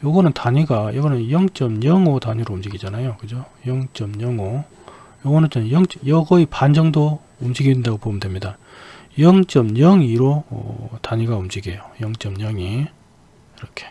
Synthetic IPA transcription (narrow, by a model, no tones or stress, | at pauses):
jʌɡʌnɯntaɲiɡajʌɡʌnɯnjʌŋt͡ɕ͈ʌmɲʌŋotaɲiɾoumd͡ʑiɡid͡ʑanajokɯd͡ʑojʌŋt͡ɕ͈ʌmɲʌŋo | joɡʌnɯnt͡ɕʰʌnnjʌŋt͡ɕ͈ʌjʌɡʌipand͡ʑʌŋdo | umd͡ʑiɡindaɡopomndwemɲida | jʌŋt͡ɕ͈ʌmɲʌŋiɾoʌ̰taɲiɡaumd͡ʑiɡejojʌŋt͡ɕ͈ʌmɲʌŋi | iɾʌkʰe̞̥